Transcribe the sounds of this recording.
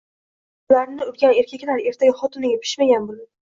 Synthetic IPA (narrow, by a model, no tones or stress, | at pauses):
ʊlaɾnɪʊɾɡʲane̞ɾkʲʰakʲlaɾe̞ɾt̪ʰaɡʲaχɒt̪ʊnɪɡʲapʰɪ̥ʃmaɡʲanbolad̪